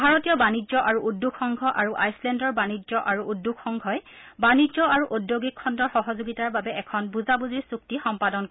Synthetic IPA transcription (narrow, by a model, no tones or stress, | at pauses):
bʱaɹɔtijɔbanizɔʔaɹuʔudːukʰːɔŋɡʱɔʔaɹuʔajslɛndɔɹbanizɔʔaɹuʔudːukʰxɔŋɡʱɔj | banizɔaɹuʔodjoɡikʰːɔndɔɹxɔɦɔzuɡitaɹbabɛʔɛkʰɔnbuzabuziɹsuk̚tixɔmpadɔnk